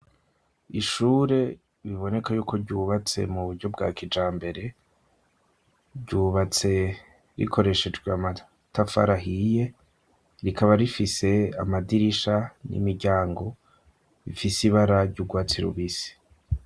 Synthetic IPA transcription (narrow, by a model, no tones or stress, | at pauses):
iʃuːɾe̞ | βiβo̞ne̞kajuːko̞ɾɟuːβat͡se̞̰muβuɾɟo̞b̚ɡaːkid͡ʒaːmbe̞ɾe̞ | ɟuːβat͡se̞ | ɾḭkʰo̞ɾe̞ʃe̞d͡ʒɡweama | tafa̰ɾaɦije̞ | ɾikaβaɾifise̞amadiɾiʃanḭmiɾɟaːŋɡo̞ | βḭfisiβaɾaɾɟuɡwaːt͡siɾṵβisi̥